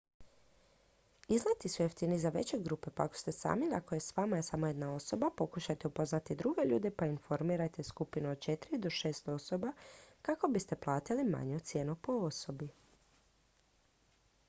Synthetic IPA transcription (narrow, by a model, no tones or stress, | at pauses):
iznajt̪isueft̪inizaʋe̞̰t͡ɕeɡɾuːpe̞paako̥st̪e̞sa̰ːmilakojesʋamajesamo̞je̞d̪nao̞so̞bapo̞kuʃajt̪eupo̞znat̪id̪ɾuɡe̞ʎṵːd̪epainfo̞ɾmiːɾat̪eskupinuod̪̚t͡ʃe̞t̪ɾid̪o̞ʃe̞ːst̪o̞so̞bakako̞bist̪e̞plˠaːt̪ilima̰ɲet̪sje̞ːnupo̞oso̞bi